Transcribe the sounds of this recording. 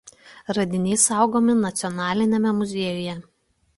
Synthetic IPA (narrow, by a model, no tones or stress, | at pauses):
ɾɐd̪ʲɪnʲɛɪsɑˑʊɡoːmʲɪnɐt̪sʲɪɔnɑːlʲɪnʲɛmʲɛmʊzʲeɛjʊjɛ